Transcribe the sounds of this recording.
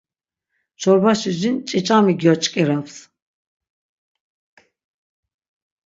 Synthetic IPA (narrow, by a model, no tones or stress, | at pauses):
t͡ʃʰɔɾbaʃizint͡ʃʼit͡ʃʼamiɡiɔt͡ʃʼkʼɛɾaps